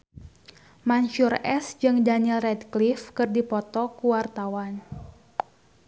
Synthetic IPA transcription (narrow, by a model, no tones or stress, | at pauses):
manʃurɛsd͡ʒɨŋdanɛlrɛdklifkɨrdipɔt̪ɔkuwart̪awan